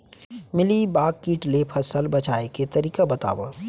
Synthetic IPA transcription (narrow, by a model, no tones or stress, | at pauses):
mɪlibaːkːiːʈlepʰɐsəlbɐt͡ʃaːeket̪ɐɾiːkabɐt̪a̰ːʋə̰